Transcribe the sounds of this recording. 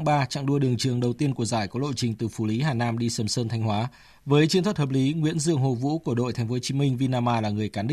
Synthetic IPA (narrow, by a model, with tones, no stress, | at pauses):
ŋɓaː˧t͡ɕa̰˧˨ŋɗu˧əɗɨ˨˩əŋt͡ɕɨ˨˩əŋɗə˨˩wt̪i˧ənku˧˩əzaː˧˩jkɔ˨˦ɗo̰˧˨t͡ɕï˨˩ŋ̟t̪ɨ˨˩fu˧˩li˨˦ɦaː˨˩naː˧mɗi˧səː˧˩msəː˧nt̪ʰa˧jŋ̟hwaː˨˦ | vəː˨˦jt͡ɕi˧ət̪ʰwt̚hə˨˩p̚li˨˦ŋwḭ˧˥ənzɨ̰˧˨əŋɦo˨˩vṵ˧˥ku˧˩əɗo̰˧˨jt̪ʰɛ˨˦ŋ̟fo˨˦t͡ɕi˨˦mï˧ŋ̟vi˧naː˧maː˧laː˨˩ŋɨ˨˩əjkaː˨˦nɗï˧˦